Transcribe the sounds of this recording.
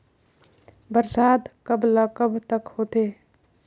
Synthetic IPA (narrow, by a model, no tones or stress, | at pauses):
bəɾsaːd̪kəblakəbt̪əkhoːt̪eː